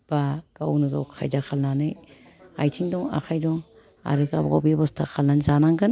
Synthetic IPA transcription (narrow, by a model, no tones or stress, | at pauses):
b̥aɡ̥awnɯɡawkʰa̰jdakʰalnanɯj | ajtʰiŋdɔŋa̰xʰajdɔŋ | a̰ɾekabɡɔ̰bebɔstʰakʰalnanzanaŋɡɯn